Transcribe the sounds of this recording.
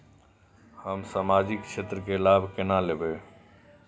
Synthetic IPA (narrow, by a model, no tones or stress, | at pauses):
həmsamad͡ʒikt͡ʃʰet̪ɾəkelabʱkenalebe